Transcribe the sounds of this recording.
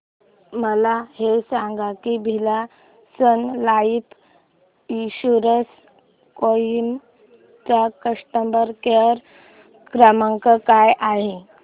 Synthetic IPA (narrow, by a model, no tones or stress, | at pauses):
məlahesãŋɡakibʱila | sənlaip̪ | iɕuɾəs | koim | t͡sakəʂʈəmbəɾkeɾ | ɡɾəməŋkəkajʔaɦi